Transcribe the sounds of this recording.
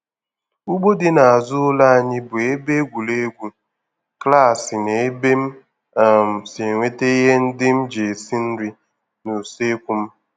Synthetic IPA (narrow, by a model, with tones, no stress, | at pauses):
u˦ɡ͡bo˦dɪ˨na˨a˨zʊ˦ʊ˦la˦a˨ɲɪ˦bʊ˨e˦be˦ɡʷu˨le˦ɡʷu˦ | kla˦˨sɪ˨ne˨e˦be˦m̩˦˨ | m̩˨se˨ŋʷe˦te˦i˦ɦe˦n̩˦dɪ˦m̩˦d͡ʒe˨si˦n̩˦ɾi˦ | nu˨se˦kʷu˨m̩˦